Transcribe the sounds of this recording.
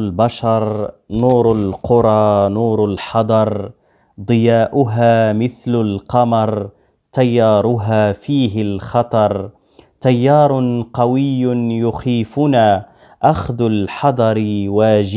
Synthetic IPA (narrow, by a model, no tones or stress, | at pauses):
lbaʃɑɾˤnuːɾalqʊɾˤɑːnuːɾalħɑd̪ˤɑɾˤ | d̪ˤɨjaːʔʊɦaːmɪθlalqɑmɑɾˤ | t̪ajːɑːɾˤʊɦaːfiːɦɪlxɑt̪ˤɑɾˤ | t̪ajːɑːɾˤʊqɑwɪjːʊnjʊxiːfʊna | ʔaxd̪ʊlħɑd̪ˤɑɾˤwaːʒɪ